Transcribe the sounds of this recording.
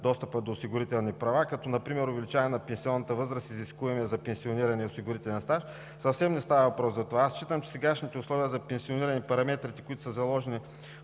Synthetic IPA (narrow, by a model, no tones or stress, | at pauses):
d̪ɔst̪əpəd̪oːsiɡʊɾit̪ɛlˠnipɾɐvakɐt̪ɔnɐpɾimɛɾʊvɛlit͡ʃaɛnɐpɛnsiɔnːɐt̪əvɤzɾəsiziskuvɐmiɛzɐpɛnsioniɾɐniɐʊsiɡʊɾit̪ɛlʲɛnst̪aʃ | sɐfsɛmnɛst̪avəvɐpɾɔsɐt̪ovaast͡ʃit̪əmt͡ʃɛ̥sɛɡaʃnit̪ɛʊslˠɔviəzɐpɛnsioniɾɐnipɐɾɐmɛt̪ɾit̪ɛ̥kʊit̪ʊ̥səzɐlˠɔʒɛni